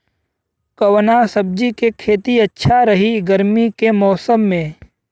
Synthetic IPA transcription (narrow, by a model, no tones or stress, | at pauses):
kəwnasəb̚d͡ʒikekʰeːt̪iɐtːʃʰaɾɐɦiɡəɾmikemɔːsəmːẽː